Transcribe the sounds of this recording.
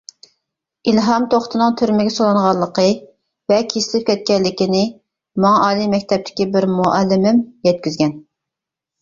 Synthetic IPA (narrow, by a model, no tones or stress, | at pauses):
ilɦɑmt̪ʰoχt̪ʰɨnɨŋt̪ʰyɾmɪɡʲɛsolˠɑɴʁɑlˠːəqʰə | vɛkʲʰislɪp̚kʲɛt̪̚kʲɛlːɪkʲinɪ | mɑŋɑʔɑːlˠimɛk̚ʲt̪ʰɛp̚t̪ʰɪ̥kʲibɪɾmuʔɛlːɪmɪmjɛt̪̚kʲyzɡʲɛn